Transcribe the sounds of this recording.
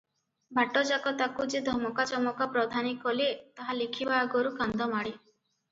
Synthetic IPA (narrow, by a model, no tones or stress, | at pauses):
bʱaʈɔd͡ʒakɔt̪akud͡ʒed̪ʱɔmɔkat͡ʃɔmɔkapɾɔd̪ʱanikɔlit̪aɦalikʰibaːɡɔɾukand̪ɔmaɽi